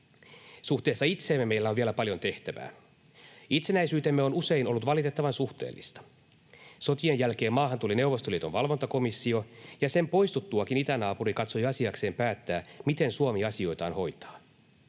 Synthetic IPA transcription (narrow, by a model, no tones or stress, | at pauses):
suxt̪e̞ːsːɑit̪seːmːemejlːæoʋielæpɑljo̞nt̪e̞ht̪æʋæ̰ː | it̪senæijsyːt̪emːeo̞nuse̞ino̞lːut̪ʋɑlit̪et̪ːɑʋɑnsuxt̪ḛːlːḭst̪ɑ̥ | so̞t̪ienjælke̞ːmːɑːɦɑnt̪uline̞wʋːˑo̞st̪oliet̪onʋɑlʋo̞nt̪ɑko̞misːiojɑse̞mpo̞jst̪ut̪ːuɑkinit̪ænɑːpuɾikɑt̪sojɑsiɑkse̞ːmpæːt̪ːæːmit̪e̞nsuomiɑsio̞jt̪ɑ̰ːnho̞jt̪ɑ̥ː